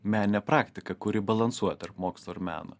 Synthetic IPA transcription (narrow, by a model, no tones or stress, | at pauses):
mʲæːnʲɪnʲɛpɾɑːkt̪ʲɪkɐkʊɾʲɪbɐlˠɐnsuɔjɛt̪ɐɾpmoːkslˠoɐɾmʲæ̰ːnʊ̰